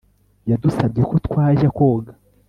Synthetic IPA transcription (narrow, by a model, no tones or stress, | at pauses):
jadusabɟekotkwaːʒako̞ːɡḁ